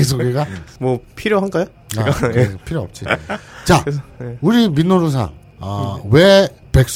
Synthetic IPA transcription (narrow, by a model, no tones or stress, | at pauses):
es̬ʰoɡeɡamwʌpʰiɾjoɦanɡajo | aɡaepʰiɾjoʌp̚t͡ɕ͈it͡ɕaeuɾiminːoɾos̬ʰa̰ŋ | ʌwe | pe̞k̚s͈